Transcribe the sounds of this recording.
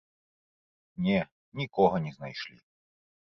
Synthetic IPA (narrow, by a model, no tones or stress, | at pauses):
nʲɛ | nʲikɔɣɐnʲɛznajʂlʲḭ